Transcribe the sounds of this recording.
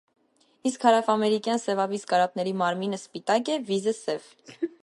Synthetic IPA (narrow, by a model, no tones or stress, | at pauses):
iskhɑɾɑfɑmɛɾikjɑnsɛvɑviskɑɾɑp̚nɛɾimɑɾminəspit̪ɑkɛvizəsɛv